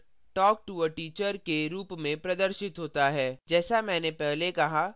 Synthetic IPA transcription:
ʈɔːk̚ʈuəʈiːt͡ʃəɾkeɾuːpmẽpɾɐd̪əɾʃɪt̪ɦoːt̪aɦɛːd͡ʒɛːsamɛ̃ːnepɛɦlekɐɦa

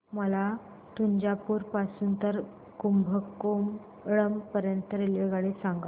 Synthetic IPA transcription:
məla | t̪uɲd͡ʑapuːɾpasuːnt̪əɾ | kumbʱəkːum | ɭəmpəɾjənt̪əɾeleɡaɽisãŋɡa

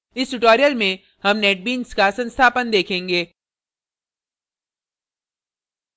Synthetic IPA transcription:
ɪsʈʊʈɔːɾijəlmẽ | hɐmnɛːʈ̚biːnskasɐ̃nst̪ʰaːpənd̪eːkʰẽːŋɡeː

